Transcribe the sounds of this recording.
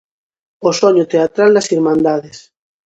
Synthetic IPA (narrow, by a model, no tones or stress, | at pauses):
osoɲot̪eat̪ɾalnasiɾmãnd̪aðes